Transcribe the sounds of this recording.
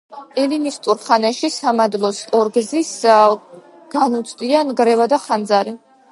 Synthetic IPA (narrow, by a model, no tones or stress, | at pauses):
ɛlinist̪ʼuɾχanɛʃisamad̪lˠɔsʼɔɾɡzis | ɡ̥anut̪sʼʰd̪ianɡɾɛvad̪aχand̪zaɾi